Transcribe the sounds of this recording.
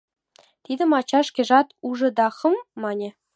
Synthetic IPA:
t̪ʲid̪ʲɘ̆mɑt͡ɕɑʂkʲĕʐɑt̪uʐɤ̆d̪ɑχɤ̆mːɑnʲɘ̆

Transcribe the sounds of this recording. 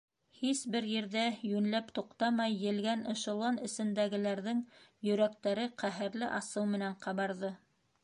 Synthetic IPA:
hisbɘɾjɘ̆ɾðæjʉnlæpt̪uqt̪ɑmɑjːɘ̆lɡænɤ̆ʃɤ̆lˠɑnɘ̆sɘ̆nd̪æɡɘ̆læɾðɘŋjɵ̆ɾæk̚t̪æɾɘqʰæɦɘ̆ɾlɘʔɑsɤwmɘ̆næɴqɑβɑɾðɤ

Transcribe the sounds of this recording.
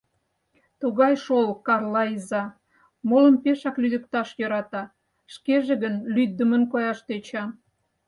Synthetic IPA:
t̪uɣɑjʃolkɑrlɑizɑ | moləmpeʃɑklyd̪ə̆kt̪ɑʃjøɾɑt̪ɑ | ʃkeʒeɣənlyd̪ːəmənkojɑʃt̪et͡ɕɑ

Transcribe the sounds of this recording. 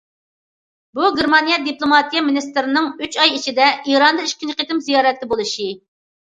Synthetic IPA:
buɡʲeɾmɑnijɛd̪iplˠomɑt̪ijɛminist̪ɪɾɪnɨŋyt͡ʃɑjit͡ʃʰid̪ɛiɾɑnd̪ɑiʃkʲint͡ʃqʰet̪ɪmzijɑːɾɛt̪ːɛbolˠuʃi

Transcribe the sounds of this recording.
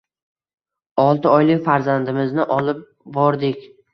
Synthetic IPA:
ɒlˠt̪ɪɒjlɪkʲfaɾzand̪ɪmɪznɪʔɒlˠɪp̚ | bɒɾd̪ɪkʲ

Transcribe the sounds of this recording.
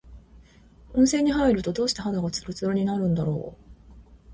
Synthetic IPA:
õɰ̃sẽ̞ɲ̟ːiɦaiɾɯ̟t̪o̞d̪o̞ːɕi̥t̪eɦad̪aɡat͡sɨ̥ɾot͡sɨɾoɲ̟inaɾɯ̟̃nd̪aɾo̞̰ː

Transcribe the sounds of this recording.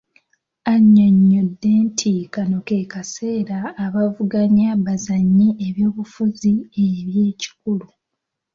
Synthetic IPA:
aɲːoɲːo̞dːe̞ːntʰikanoke̞kase̞ːɾaːβavuɡaɲaβazaɲːiʔeβjo̞ːβufuzieβje̞ːci̥kulu

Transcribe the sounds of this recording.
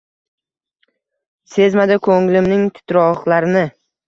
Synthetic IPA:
se̞zmad̪ɪkʰoŋlɪmnɪŋt̪ʰɪ̥t̪ɾɒχlaɾɪnɪ

